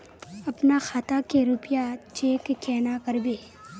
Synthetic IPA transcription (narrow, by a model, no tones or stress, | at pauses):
ɐpnaxʰaːt̪akeɾʊpjat͡ʃeːkkɛːnakɐɾbeː